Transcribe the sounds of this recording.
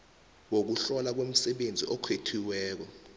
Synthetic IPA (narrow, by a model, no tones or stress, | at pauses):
wok̬uɬɔlak̬wem̩sɛɓend͡zʱḭʔɔkʰwetʰiwɛːk̬ɔ